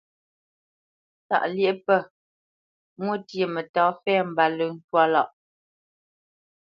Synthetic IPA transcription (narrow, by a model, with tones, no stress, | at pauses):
ta̰˨ʔlje˦˨pə˦˨ | mwə˦˨tje˨mə˨tɔː˨˦fɛː˦˨m̩˨ba˨lʉ˨˦n̩˦twa˦lɔ˨ʔ